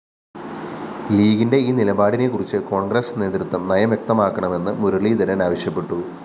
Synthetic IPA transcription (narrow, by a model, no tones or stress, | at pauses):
liːɡinde̞iːnilɐbaːɽine̞kːurit͡ɕːɨko̞ːɳɡrɐsne̞ːt̪ɾut̪ːɐmnɐjɐmjek̚t̪ɐmaːkːɐɳɐme̞nːɨmuɾuɭid̪ɐɾɐnaːʋɐɕjɐpːe̞ʈːu